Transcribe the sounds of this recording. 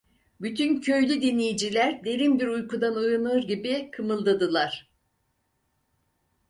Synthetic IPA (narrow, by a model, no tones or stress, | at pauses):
byt̪ʰyncʰø̞jlʲyd̪inlʲejid͡ʒilʲæɾd̪e̞ɾimbiɾujkud̪anojunɯɾɟibikʰɯmɯlˠd̪ad̪ɯlˠaɾ̥